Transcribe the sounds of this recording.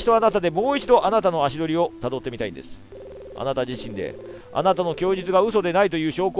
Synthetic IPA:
i̥t̪o̞anat̪ad̪e̞mo̞ːit͡ɕid̪o̞ʔanat̪ano̞aɕid̪o̞ɾʲio̞t̪ad̪o̞t̪ːemʲit̪aḭ̃nd̪e̞̰sɨ̥ | a̰nat̪ad͡ʑiɕĩnd̪e̞̰ | a̰nat̪ano̞kʲo̞ːd͡ʑit͡sɨɡaɯ̟so̞d̪e̞nait̪o̞jɯ̟ːɕo̞ːko

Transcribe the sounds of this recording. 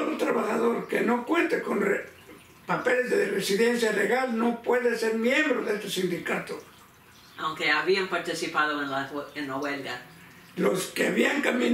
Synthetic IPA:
ðot̪ɾaβaxaðo̞ɾkeno̞kwe̞nt̪eko̞nre | pape̞lezðeresiðensjaleɣalno̞pweðese̞ɾmje̞mbɾoðest̪esind̪ikat̪o | awŋkeaβiampaɾt̪isipaðoẽnlaenlawelɡa | lo̞skeaβiaŋkamĩn

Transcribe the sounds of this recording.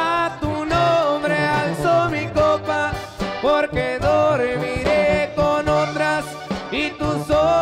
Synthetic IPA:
at̪unombɾealsomikopa | poɾkeðoɾmiɾekonond̪ɾas | it̪uso

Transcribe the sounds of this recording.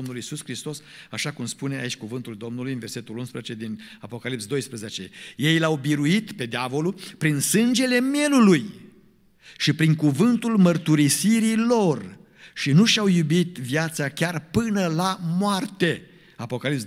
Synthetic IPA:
omnulisuskɾist̪o̞s | aʃakumspune̞a̰it͡ʃʲkuvɨnt̪uld̪o̞mnulujɨnve̞rse̞t̪ulunspɾezet͡ʃe̞d̪inapo̞kalipsd̪o̞jspɾəzet͡ʃe̞̰je̞jlawbiɾuit̪pe̞d̪eavo̞lupɾinsɨnd͡ʒe̞le̞mje̞luluj | ʃipɾiŋkuvɨnt̪ulmərt̪uɾisiɾilo̞r | ʃinuʃawjubit̪vjat̪sakʲarpɨnəlamoart̪e̞ | apo̞kalips

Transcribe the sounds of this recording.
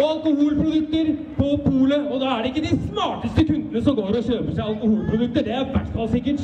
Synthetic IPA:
ɔɑlkʊhuːlpʰɾʊd̪ʉk̚t̪əɾ | pʰɔpʰuːləɔd̪ɑːæɖɛɪkːəd̪ɪsmɑːʈəst̪əkʰʉnd̪ənəsɔmɡoːɾɔɕøːpəʂæɪɑlkʊhuːlpʰɾʊd̪ʉkt̪əɖɛæɾʋæʈːfɑlsɪkːəʈ

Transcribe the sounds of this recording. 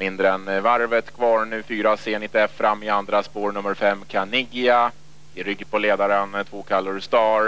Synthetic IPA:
mɪnd̪ɾəɛnvaɾvət̪kʰvɑːɾɳʉ̟ːfyːɾaseːnɪt̪ɛfːɾʔamːɪand̪ɾaspoːɾnɵmːəɾfɛmːkʰanɪɡɪa | ɪɾʏɡpɔleːd̪aɾənt̪ʰvoːkʰalːʊɾst̪ɑːɾ

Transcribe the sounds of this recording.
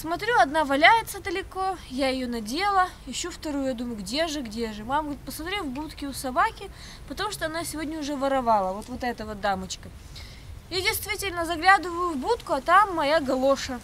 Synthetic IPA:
smɐt̪ɾʲuɐd̪navɐlʲæjɪt̪səd̪əlʲɪkojajɪjonɐdʲelˠəjɪɕːoft̪ɐɾujʊjad̪uməjʊɡdʲe̞ʐɨɡdʲeʐɨmamɡəɾʲit̪̚pəsmɐt̪ɾʲevbut̪kʲɪʊsɐbakʲɪ | pət̪ɐmuʂt̪oɐnasʲɪvodʲnʲəʊʐɛvəɾɐvalˠəvo̞t̪vot̪ɛt̪əvəd̪amət͡ɕkə | jadʲɪjst̪vʲitʲɪlʲnəzɐɡlʲad̪ɨvəjʊvbut̪kʊɐt̪amːɐjaɡɐlˠoʂə

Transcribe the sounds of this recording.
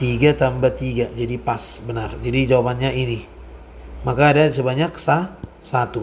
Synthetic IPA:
t̪iɡat̪ambat̪iɡad͡ʒadipasbənard͡ʒadid͡ʒawapanɲaini | makaːdasəbaɲaksasat̪u

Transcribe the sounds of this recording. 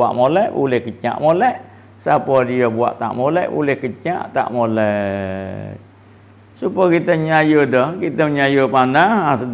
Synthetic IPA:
a̰ʔmolɛʔbṵlɛhkət͡ʃa̰ʔmolɛʔ | sapɔdiəbua̰ʔt̪a̰ʔmolɛʔbṵlɛhkət͡ʃa̰ʔt̪a̰ʔmolɛ | supəkit̪əɲajədɔhkit̪əməɲajəpanahasə

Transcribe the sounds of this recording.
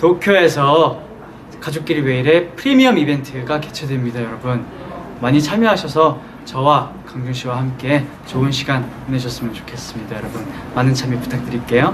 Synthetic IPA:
tokʰjoe̞sʰʌ | kad͡ʑok͈̚iɾwe̞iɾe̞pʰɯɾimiʌmibe̞ntʰɯɡake̞t͡ɕʰʌdemɲidajʌɾʌbɯn | maɲit͡ɕʰamjoɦaɕʰʌsʰʌ | t͡ɕʌwa | kaŋɡuŋɕʰiwahamk͈e̞ | t͡ɕoɯnɕʰiɡanoneɕ̬ʰʌs͈ɯmjʌnt͡ɕo̥kʰe̞s͈ɯmɲidajʌɾʌbunmanɯnt͡ɕʰamipu̥tʰak̚t͈ɯɾik͈e̞jo

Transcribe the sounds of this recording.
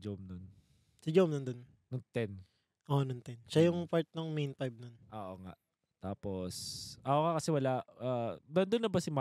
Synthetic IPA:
d͡ʒomnon | sɪd͡ʒowmnɐnd̪on | nɐŋt̪ɛn | ʔonɐŋt̪ɛnʃajʊŋpaɹt̪̚nɐŋmejnpajb̚nonʔoːʔoŋa̰ʔ | t̪aːposʔɐʔokakɐsɛwɐlaʔʔaːd̪ɐnd̪onːɐbɐsɪma

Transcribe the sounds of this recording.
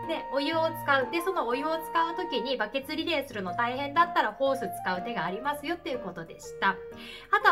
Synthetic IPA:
ne̞o̞jɯot͡sɨ̥kaɯ̟d̪e̞so̞no̞ːjɯ̟ot͡sɨ̥kaɯ̟t̪o̞kʲiɲ̟ibake̞t͡sɨɾʲiɾe̞ːsɨɾɯ̟no̞t̪aihẽ̞nd̪at̪ːaɾaho̞ːsɨt͡sɨ̥kaɯ̟t̪e̞ɡaːɾʲimasɨjo̞t̪ːe̞jɯ̟ko̞t̪o̞d̪e̞ɕi̥t̪a | at̪o

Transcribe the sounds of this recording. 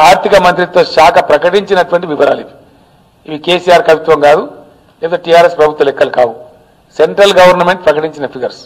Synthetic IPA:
aːɾt̪ikɐmɐnt̪ɾit̪o̞ːʃaːkʰɐpɾɐkɐʈiɲt͡ʃinɐʈuʋɐɳʈiʋiʋɐɾaːliʋi | iʋikeːsijaːɾkɐʋit̪ʋɐmŋɡaːd̪u | lept̪eːʈijaːɾespɾɐbʱut̪ʋɐlɛkːɐlukaːwu | se̞ɳʈɾɐlɡɐʋɐɾnɐme̞ɳʈ̚pɾɐkɐʈiɲt͡ʃinɐpʰiɡɐɾs

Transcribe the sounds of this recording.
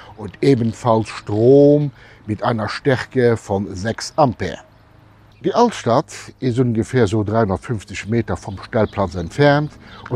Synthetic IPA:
unteːbənfɑlsʃtʁoːm | mitʰaɪnɐʃtæʁkəfɔnzæksɑmpɛ̰ɐ | d̥iʔɑltʃtɑtizunɡəfɛːɐzoːdʁaɪhundɐtfynft͡səɕmeːtɐfɔmʃtælpʰlɑt͡sæntfæʁntu

